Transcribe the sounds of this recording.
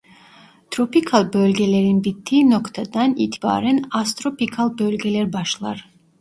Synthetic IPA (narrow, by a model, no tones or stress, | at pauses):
t̪ʰɾɔpʰikʰalˠbɔlɡɛlɛɾinbit̪ʰːinɔkʰt̪ʰad̪anḭt̪ʰiba̰ɾɛnast̪ʼɾɔpʰikʰalˠbœlɡɛlɛɾbaʃlˠa̰ɾ